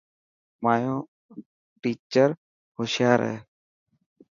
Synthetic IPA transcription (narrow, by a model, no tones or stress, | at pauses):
maːjõː | ʈiːt͡ʃəɾ | hoʃjaːɾɛ̰ː